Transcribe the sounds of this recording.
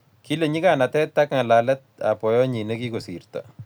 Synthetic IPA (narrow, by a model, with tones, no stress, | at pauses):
ki˦le˨ɲi˦ka˦˨na˨tɛ˦t̪ːa˦kŋa˨la˨lɛ˦t̚a̰˨pɔ˨jɔ˦ɲi˨ne˦ki˦ko˨si˨rt̪a̰